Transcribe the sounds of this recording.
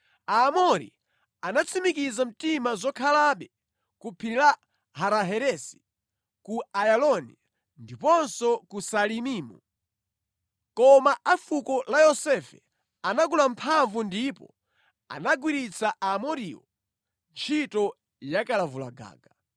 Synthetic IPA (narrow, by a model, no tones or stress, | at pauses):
aːmɔɾḭ | anat͡sʰimikizam̩timazɔkʰalaɓɛ | kupʰiɾila | haɾaɦɛɾɛsi̥ | kuajalɔni | ndipɔnsɔkusalimiːmu | kɔmaʔafukɔlajɔsɛfɛ | anaɡulampʰaɱvundipɔ̰ | a̰naɡwiɾit͡sʰaʔamɔɾiɔ̰ | nt͡ʃʰitɔ | jakalavula̰ɡa̰ːɡa